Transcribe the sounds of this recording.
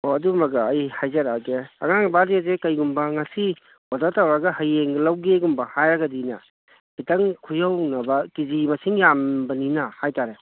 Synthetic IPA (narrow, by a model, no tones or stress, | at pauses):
oɐdumɐɡɐːjhajzɐɾaɡeɐ̰ŋaŋbadiazekɐjɡumbɐŋɐsi | ɔdatawɾɐɡɐhɐjeŋɡlawɡeɡumbɐhajɾɐɡɐdinɐ̰ | b̥itɐŋkʰujawnɐbɐkizimɐsiŋjambɐninɐhajtaɾe